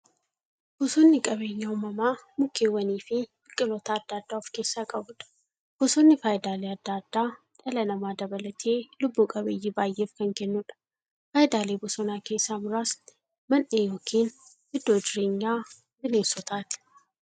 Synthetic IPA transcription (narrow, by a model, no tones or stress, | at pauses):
b̥ʊsunːɪkʼɐbeːjːɐʊmɐmaːmʊkːeːwːɐniːfɪ | ɪkʼːɪloːt̪aːd̪ːaːd̪ːaːʊfke̞ːsːaːkʼɐbʊᶑɐ̥ | b̥ʊsonːɪfaːjɪd̪aːleɐd̪ːaːd̪̥ːaː | ᶑʼɛlɐnɐmaːd̪ɐbɐlɐt̪ʰeːlʊbːuːkʼɐbeːjːɪbaːjːʔeːfkɐŋkɛnːʊᶑɐ̥ | faːjɪd̪aːleːbʊsɔnaːke̞ːsːaːmʊɾaːs | mɐnʔeːjoːkʰiːn | ɪd̪ːoːd͡ʒɪɾeːɲːaː | bɪneːsɔt̪ʰaːt̪ɪ̥